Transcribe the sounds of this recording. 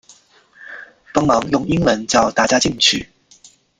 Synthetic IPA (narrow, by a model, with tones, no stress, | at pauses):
pɑ˥ŋmɐ˨˥ŋjʊ˨˩ŋi˥ŋwə˨˧˥nt͡sɐ˨˩wt̪aː˨˩t͡ɕjaː˥t͡ɕi˥˩ŋt͡ʃʰy̰˨˩